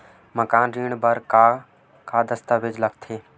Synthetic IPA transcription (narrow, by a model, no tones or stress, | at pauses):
məkaːnɾiːɳbəɾka | kaːd̪əst̪aːbɪd͡ʒləɡt̪ʰeː